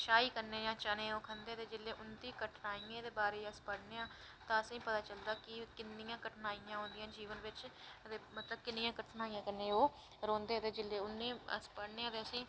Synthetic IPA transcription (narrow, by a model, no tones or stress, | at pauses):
ʃaːiːkəɾneːd͡ʒãːt͡ʃanẽːoːkʰənd̪eːt̪eːd͡ʒɪlːeːʔʊnd̪iːkəʈʰnaːiẽːd̪eːbaːɾeːəspəɽneːãː | t̪ãːəsĩːpət̪aːt͡ʃəld̪aːkɪkɪnːɪjãːkəʈʰnaːijãːɦõnd̪ɪjãːd͡ʒiːʋənʋɪt͡ʃd̪emət̪ləb̚kɪnːɪjãːkəʈʰnaːijãːkənːẽːoː | ɾõːnd̪eːt̪eːd͡ʒɪleːʊnːẽːə̰spəɽneːãːt̪eːəsĩː